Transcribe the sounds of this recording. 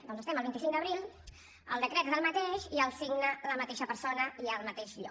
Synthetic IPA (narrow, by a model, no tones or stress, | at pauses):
d̪ɔnzəst̪ɛməlβint̪isiŋd̪əβɾilˠ | ə̰lˠd̪əkɾɛt̪zəlˠmət̪eʃiəlˠsiɡnələmət̪eʃəpəɾsonəiəlˠmət̪eʃʎɔ̰